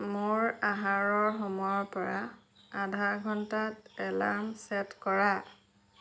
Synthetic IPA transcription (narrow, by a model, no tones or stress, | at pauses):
mʊɹaɦaɹɔɹxɔmɔjɔɹpɔɹa | adʱaɡʱɔntatɛlamsɛtkɔɹa